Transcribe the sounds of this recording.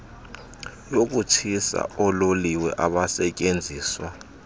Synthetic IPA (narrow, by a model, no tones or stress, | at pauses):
jok̬utʰisa̰ɔloliwɛ̰ʔaɓasɛcʼend͡zʱiːswa